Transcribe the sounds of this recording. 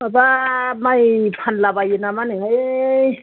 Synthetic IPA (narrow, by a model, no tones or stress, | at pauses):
abamajpʰanlabajenamaneɦaj